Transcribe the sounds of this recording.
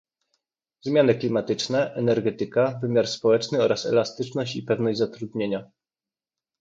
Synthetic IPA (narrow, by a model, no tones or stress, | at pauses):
zmʲjanɘklʲimat̪ɘt͡ʂnɛʔɛnɛɾɡɛt̪ɘkavɘmʲjaɾspɔwɛt͡ʂnɘɔɾasɛ̰last̪ɘt͡ʂnɔɕt͡ɕipɛvnɔʑd͡ʑʲzat̪ɾud̪ɲeɲa